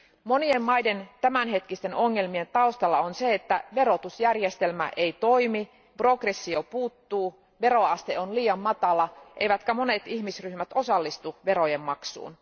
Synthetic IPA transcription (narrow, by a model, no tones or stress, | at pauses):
mo̞nie̞mːɑjde̞nt̪æmænɦe̞t̪kist̪e̞no̞ŋːe̞lmie̞nt̪ɑust̪ɑlːɑonseet̪ːæʋe̞ɾo̞t̪usjærjest̪e̞lmæ̰ʔe̞it̪o̞imi | prokresːio̞puːt̪ːuː | ʋe̞ɾo̞ɑst̪eonliːɑmːɑt̪ɑlɑʔḛjʋæt̪kæmo̞ne̞t̪içmisryhmæt̪o̞sɑlːist̪uʋe̞ɾo̞jemːɑksṵːn